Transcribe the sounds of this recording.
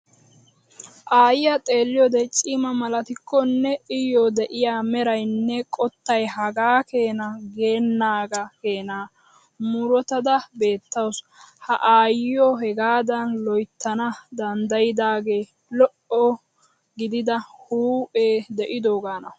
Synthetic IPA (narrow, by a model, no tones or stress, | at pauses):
ʔaːjɪjɐt̪ʼe̞ːlːɪjɔd̪ɛt͡ʃʼiːmɐmɐlɐt̪ɪkːɔnːɛɪjoːd̪ɛʔɪjaːmɛɾɐjnːɛkʼɔt̪ːɐjɦɐɡaːke̞ːnɐɡe̞ːnːaːɡɐke̞ːnaː | mʊɾɔt̪ɐd̪ɐbe̞ːt̪ːɐws | hɐʔaːjjɔɦɛɡaːd̪ɐnlɔjt̪ːɐnɐd̪ɐnd̪ɐjɪd̪aːɡe̞ː | lɔʔɔ | ɡɪd̪ɪd̪ɐhuːʔʼeːd̪ɛʔɪd̪o̞ːɡaːnɐ